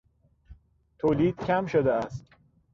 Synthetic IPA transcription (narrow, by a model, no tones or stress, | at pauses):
t̪ʰoːliːd̪̥cʲʰæmʃod̪eæst̪